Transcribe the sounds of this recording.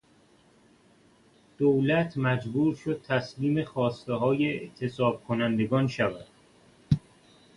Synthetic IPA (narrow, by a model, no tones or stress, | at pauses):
d̪̥owlæt̪ʰmæd͡ʒbuːɾʃo̞d̪̥̚t̪ʰæsliːme̞xɒːst̪eɦɒːjeeʔt̪ʰesɒːb̥̚kʰonænd̪e̞ɡɒːnʃævæd̪̥